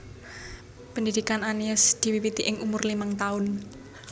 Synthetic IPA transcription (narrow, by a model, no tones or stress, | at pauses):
pənd̪id̪̥ikananiasd̪̥i̤wiwit̪iʔɪŋʔumʊrlimaŋt̪aʊn